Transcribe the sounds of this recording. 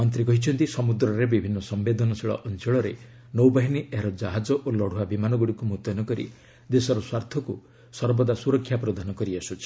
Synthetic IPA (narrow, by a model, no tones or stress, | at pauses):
ɔnt̪ɾikɔɦit͡ʃʰɔnt̪isɔmud̪ɾɔɾebibʱinːɔsɔmbed̪ʱɔnɔsiɭɔ̰ʔɔnt͡ʃɔɭɔɾe | nowbaɦiniʔeɦɾɔd͡ʒaɦad͡ʒɔʔolɔɽ̤uabimanɔɡuɽikumuɦt̪ɔnɔkɔɾḭ | d̪esɔɾɔswaɾt̪ʰɔku | sɔɾbɔd̪asuɾɔkʰːjapɾɔd̪ʱanɔkɔɾiasut͡ʃʰi̥